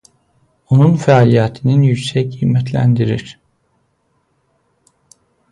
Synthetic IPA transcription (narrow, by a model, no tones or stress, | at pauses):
onunfɛaːlʲijat̪ʰininjycsɛc̚ijmɛt̪ʰlʲæ̰nd̪iɾiɾ̥